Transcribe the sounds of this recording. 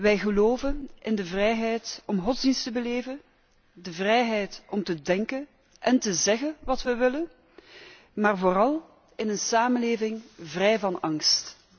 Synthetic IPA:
ʋɛjɣəloːvənʔɪndəvrɛjɦɛjtɔmɣɔtzdinstəbəleːvən | dəvrɛjɦɛjtʔɔmtədɛŋkən | ʔɛntəzɛɣənʋɑtʋəʋɪlən | maːrvoːrɑlˠ | ɪnənsaːmənleːvɪŋvrɛjvɑnɑŋst

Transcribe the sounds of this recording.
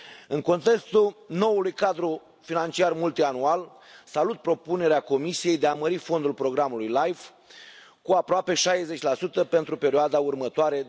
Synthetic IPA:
ɨŋko̞nt̪e̞kst̪uno̞ulujkad̪ɾu | finant͡ʃiarmult̪ianual | salut̪̚pɾo̞pune̞ɾeako̞misije̞jd̪eaməɾifo̞nd̪ulpɾo̞ɡɾamulujlajv | kuapɾoape̞ʃajeze̞t͡ʃʲlasut̪əpe̞nt̪ɾupe̞ɾioad̪aurmət̪oaɾe̞

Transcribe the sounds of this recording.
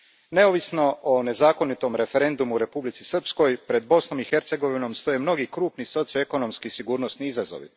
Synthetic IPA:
ne̞oʋisno̞one̞zaːko̞nit̪o̞mɾe̞fe̞ɾe̞nd̪umuːɾe̞publit̪si̥sr̩psko̞jpɾe̞d̪̚bo̞sno̞mixe̞ɾt̪se̞ɡo̞ʋino̞mst̪o̞jemno̞ɡikɾuːpniso̞t̪sijoeko̞nomskisiɡuːɾno̞sniizazo̰ʋḭ

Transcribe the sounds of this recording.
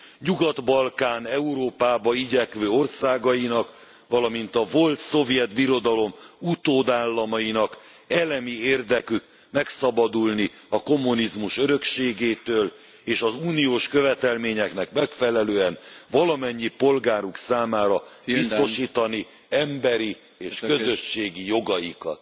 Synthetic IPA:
ɲuɡɒd̪bɒlkaːnɛuɾoːpaːbɒiɟɛkʋøːo̞rsaːɡɒjinɒk | ʋɒlɒmint̪ɒvo̞lt̪so̞vjɛd̪biɾo̞d̪ɒlo̞mut̪oːd̪aːlːɒmɒjinɒk | ɛlɛmieːrd̪ɛkyk | mɛksɒbɒd̪ulni | ɒko̞mːunizmuʃøɾø̞kʃeːɡeːt̪øːl | eːʃɒzuːnijoːʃkø̞vɛt̪ɛlmeːɲɛknɛkmɛkfɛlɛløːɛnvɒlɒmɛɲːipo̞lɡaːɾuksaːmaːɾɒbisso̞ʃiːt̪ɒni | ɛmbɛɾi | eːʃkø̞zø̞ʃːeːɡijo̞ɡɒjikɒ̰t̪

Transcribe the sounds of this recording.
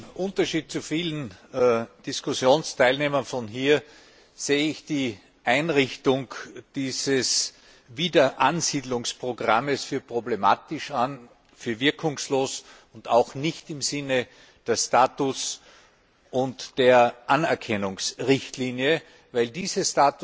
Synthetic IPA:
ʔʊ̃ntɐʃiːt̚t͡sufiːlən̩ | d̥ɪskʊsjoːnstʰaɪlneːmɐnfɔnɦiːɐ | z̥eːəɪçd̥iː | ʔaɪnʁɪçtʊŋd̥iːzəs | viːdɐʔanz̥iːdlʊŋspʁ̥oɡʁaməsfyːɐpʁ̥oblema̰ːtɪʃan | fyːɐvɪɐkʰʊŋsloːs | ʊntaʊxnɪçtɪmzɪnə | d̥ɛːɐstaːtʊs | ʔʊntd̥eːɐʔanɛɐkʰɛnʊŋsʁɪçtliːnjə | væɪldiːzəsstaːt

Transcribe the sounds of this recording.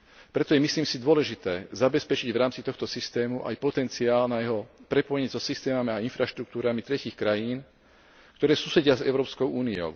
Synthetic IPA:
pɾɛt̪ɔjɛmisliːmsid̪ʊɔlɛʒit̪ɛːzabɛspɛt͡ʃiɟvɾaːmt͡sit̪ɔxt̪ɔsist̪ɛːmuʔa̰jpɔt̪ɛnt͡siaːlnajɛɦɔpɾɛpɔjɛɲɛzɔsist̪ɛːmamiainfɾaʃt̪ɾukt̪uːɾamit̪ɾɛciːxkɾajiːn | kt̪ɔɾɛːsusɛɟɪazɛʊɾɔːpskɔʊuːniɔ̰ʊ

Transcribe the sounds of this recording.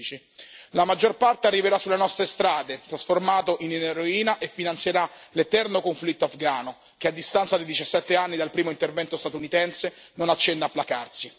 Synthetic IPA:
t͡ʃi | lamad͡ʒːorpart̪earːiveɾasːulːenɔst̪ɾest̪ɾaːd̪et̪ɾasformaːt̪oʔinneɾoiːnaʔefːinant̪sjeɾalet̪ɛrnokoɱflit̪ːoafɡaːno | k̟ead̪ːist̪ant̪sad̪id̪it͡ʃasːɛt̪ːeanːid̪alpɾiːmoint̪ervɛnt̪ost̪at̪unit̪ɛnsenonat͡ʃːɛnːaːpːlakarsi

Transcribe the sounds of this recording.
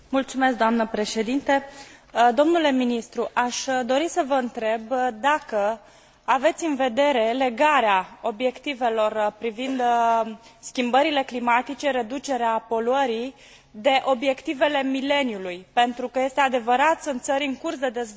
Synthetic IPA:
mult̪sume̞s̬k̚d̪oamnəpɾe̞ʃe̞d̪int̪e | d̪o̞mnule̞minist̪ɾuʔaʃd̪o̞ɾisəvəɨnt̪ɾe̞bd̪akə | ave̞t̪sʲɨnve̞d̪e̞ɾe̞le̞ɡaɾeao̞bje̞kt̪ive̞lo̞rpɾivind̪ | skʲimbəɾile̞klimat̪it͡ʃe̞ɾe̞d̪ut͡ʃe̞ɾeapo̞luəɾi | d̪e̞ʔo̞bje̞kt̪ive̞le̞mile̞njulujpe̞nt̪ɾukəje̞st̪ead̪e̞vəɾat̪ɨnt̪səɾiɨŋkursd̪e̞d̪e̞z

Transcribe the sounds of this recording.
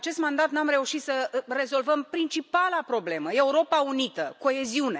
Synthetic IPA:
t͡ʃe̞st̪mand̪at̪namɾe̞uʃit̪səre̞zo̞lvəmpɾint͡ʃipalapɾo̞ble̞məe̞uɾo̞paunit̪əko̞e̞ziune̞

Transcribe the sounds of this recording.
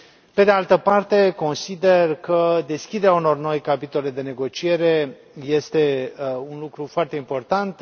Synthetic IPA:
pe̞d̪ealt̪əpart̪e̞ko̞nsid̪e̞rkəd̪e̞skʲid̪e̞ɾʲauno̞rno̞jkapit̪o̞le̞d̪e̞ne̞ɡo̞t͡ʃie̞ɾe̞ | je̞st̪e̞unlukɾufoart̪e̞impo̞rt̪ant̪

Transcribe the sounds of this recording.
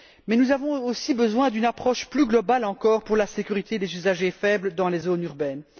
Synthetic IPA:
mɛnuzavɔ̃osibəzwɛ̃d̪ynapχɔʃplyɡlɔbalɑ̃kɔːʁpuʁlasekʲyʁit̪ed̪ezyzaʒefɛbləd̪ɑ̃lezonyʁbɛn

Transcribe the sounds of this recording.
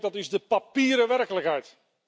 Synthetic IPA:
dɑtɪzdəpapiːɾəʋɛrkələkɦɛjt

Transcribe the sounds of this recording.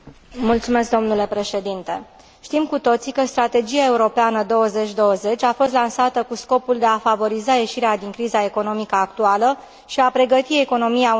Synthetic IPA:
mult̪sume̞sk̚d̪o̞mnule̞pɾe̞ʃe̞d̪int̪e̞ | ʃt̪imkut̪o̞t̪sikəst̪ɾat̪e̞d͡ʒiae̞uɾo̞peanəd̪o̞wəze̞t͡ʃʲd̪o̞wəze̞t͡ʃʲafo̞st̪lansat̪əkusko̞puld̪e̞afavo̞ɾizaje̞ʃiɾead̪iŋkɾizae̞ko̞no̞mikəak̚t̪ualə | ʃiapɾe̞ɡət̪ie̞ko̞no̞mia

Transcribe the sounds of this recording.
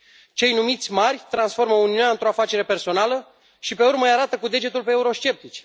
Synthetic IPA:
t͡ʃe̞jnumit̪sʲmarʲt̪ɾansfo̞rməuniuneaɨnt̪ɾo̞afat͡ʃe̞ɾe̞pe̞rso̞nalə | ʃipe̞urməjaɾat̪əkud̪e̞d͡ʒe̞t̪ulpeːuɾo̞ʃt͡ʃe̞p̚t̪it͡ʃ

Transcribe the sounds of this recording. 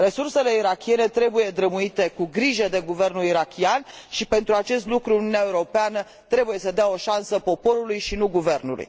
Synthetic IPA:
re̞surse̞le̞iɾakʲie̞net̪ɾe̞buje̞d̪ɾəmuit̪e̞kuɡɾiʒəd̪e̞ɡuve̞rnuliɾakʲianʃipe̞nt̪ɾuat͡ʃe̞st̪lukɾuuniuneaeuɾo̞peanə | t̪ɾe̞buje̞səd̪eao̞ʃansəpo̞po̞ɾulujʃinuɡuve̞rnṵlṵj

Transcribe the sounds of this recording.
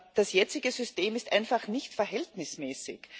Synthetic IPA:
d̥asjɛt͡sɪɡəzʏsteːmɪstʔa̰ɪnfaχnɪçtfɛɐɦɛltnɪsmɛːsɪ̰ç

